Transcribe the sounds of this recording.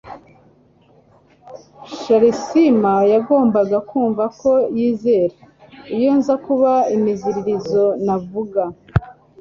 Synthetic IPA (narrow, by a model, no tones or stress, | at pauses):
ʃaɾisimajaɡo̞ːmbaɡakuːɱvako̞jiːze̞ːɾa | ijonzakuβaimiziɾiɾizo̞navuɡa